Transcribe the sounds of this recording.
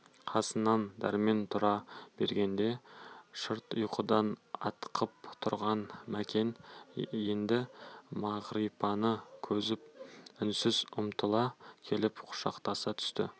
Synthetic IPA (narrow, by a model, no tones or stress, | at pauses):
qʰɑsənːɑnd̪æ̰ɾme̞nt̪ʰʊɾɑb̥e̞̰ɾɡʲe̞nd̪e̞ʃəɾt̪ʊjqʰəd̪ɑnɑ̰t̪qʰəp̚t̪ʰʊɾʁɑnmækʲe̞nje̞nd̪ɪmɑʁɾipɑnəkʲʰɵzɪp̚ʏnsɪzʊmt̪ʰəlˠɑkʲʰe̞lɪpqʰʊ̥ʃɑ̰qt̪ɑsɑt̪ʰʏ̥st̪ɪ̰